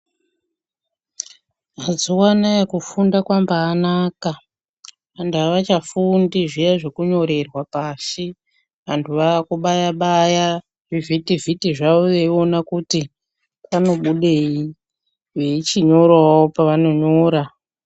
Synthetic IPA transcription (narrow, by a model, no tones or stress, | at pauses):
ɦad͡zuwanajakufundakwambaːnaːka | andaʋat͡ʃafundiʐijaʐe̞kuɲo̞ɾe̞rwapaːsi | ʋantʰuʋaːkuɓajaɓaja | ʐivʱitivʱitiʐauʋeio̞nakuti | pano̞ɓuɗei | weit͡ʃiɲo̞ɾwawaopaʋano̞ɲoːɾa